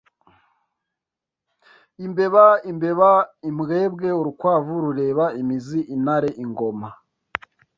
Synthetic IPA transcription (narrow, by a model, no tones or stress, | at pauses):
imbe̞βaimbe̞βaimɡeːbɡe̞uɾukwaːvuɾuɾe̞ːβaimiziʔinaɾe̞ʔiŋɡo̞ma